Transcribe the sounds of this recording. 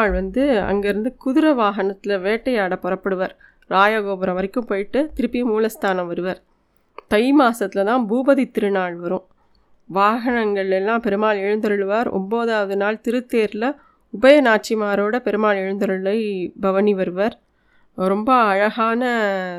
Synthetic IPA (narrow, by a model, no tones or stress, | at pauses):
ɭʋɐnd̪ɯɐ̰ŋɡeɪɾɯnd̪ɯkʊðɯɾɐʋaːɣɐnɐt̪ːɪlɐʋeːʈːɐjaːɽɐpːɔrɐpːɐɽɯʋɐɾ | ɾaːjɐɡoːbɐɾɐ̃ʋɐɾɪkːɯmpoːjɪʈːɯt̪ɪɾɯpːɪjɐmuːlɐst̪ʰaːnɐ̃mʋɐɾɯʋɐɾ | t̪ɐjmaːsɐt̪ːɪlɐt̪ãːbuːbɐðɪt̪ːɪɾɯnaːɭʋɐɾɯ̃ | ʋaːɣɐnɐŋɡɐɭɪlɛlːãːpɛɾɯmaːɭɛɻɯnd̪ɐɾɯɭʋaːɾɔ̰mboːðaːʋɐðɯnaːlt̪ɪɾɯt̪ːeːɾɪlɐ | ʊbɐjɐnaːʈ̚t͡ʃɪmaːɾoːɽɐpɛɾɯmaːɭɛɻɯnd̪ɐɾɯɭɐɪbɐʋɐniʋɐɾɯʋɐɾ | ɾɔmbɐːɻɐɣaːnɐ